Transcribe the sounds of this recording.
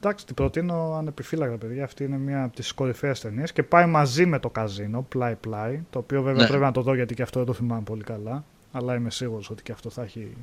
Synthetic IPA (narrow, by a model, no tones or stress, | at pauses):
d̪ɐksi̥t̪ibɾo̞t̪ino̞ɐne̞pifilɐkɐt̪ɐpe̞ðʝɐːft̪iine̞miɐpt̪isko̞ɾifeːst̪e̞niesce̞pɐimɐzime̞t̪o̞kɐzino̞plɐiplɐjt̪o̞ːpio̞ve̞veɐpɾepinɐt̪o̞ðo̞ʝɐt̪iceɐft̪oðet̪oθimɐmepo̞likɐlɐ | ɐlɐime̞siɣuɾo̞so̞t̪i̥ceɐft̪o̞θɐçi